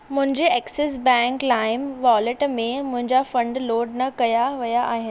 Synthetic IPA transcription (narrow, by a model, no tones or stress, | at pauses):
mʊ̃ɦɪ̃ɲd͡ʑeɛːkses̬bɛ̃ːŋklaːɪmʋɔːlɪʈmẽmʊ̃ɦɪ̃ɲd͡ʑafɐ̃ɳɖloːɖnɐkɐjaʋɐjaʔaːɦɪnɪ